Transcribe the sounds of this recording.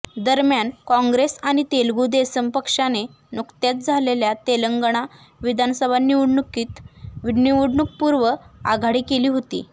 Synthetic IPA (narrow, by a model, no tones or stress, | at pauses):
d̪əɾmjankɔ̃ŋɡɾesaɽ̃it̪elɡud̪esəmpəkʂane | nukt̪jat̪̚d͡zʱaleljat̪eləŋɡəɳ̃a | ʋid̪ʱansəbʱanːiuɽɳukiːt̪ʋiɽniuɽɳuk̚puɾʋəaɡʱaɽiːkeliːɦot̪ḭː